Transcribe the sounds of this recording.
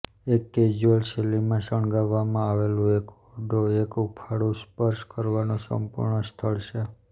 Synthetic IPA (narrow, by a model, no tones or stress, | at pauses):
ekːed͡ʒəlʃelimãʃəɳɡaʋːamãaʋelũekuɾd̪ʱoekupʰaɽũspəɾʃkəɾʋanõsə̰mpṵɾɳəst̪ʰəɭʃe